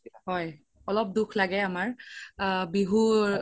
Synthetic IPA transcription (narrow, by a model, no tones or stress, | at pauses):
ɦɔj | ɔlɔp̚dukʰlaɡɛamaɹ | biɦu